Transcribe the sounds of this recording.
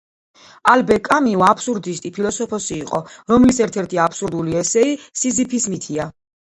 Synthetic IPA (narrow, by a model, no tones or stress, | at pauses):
albɛkʼamiɔapʰsuɾd̪ist̪ʼipʰilˠɔsɔpʰɔsiːqʼɔɾɔmlisɛɾt̪ʰɛɾt̪ʰiapʰsuɾd̪uliɛsɛisizipʰismit̪ʰia